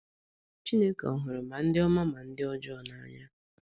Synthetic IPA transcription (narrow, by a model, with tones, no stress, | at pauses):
t͡ʃi˦ne˦ke˨ɔ˨ɦʊ˨ɾʊ˨ma˨n̩˦dɪ˦ɔ˦ma˦ma˨n̩˦dɪ˦ɔ˦d͡ʒɔ˦˨na˦ɲa˦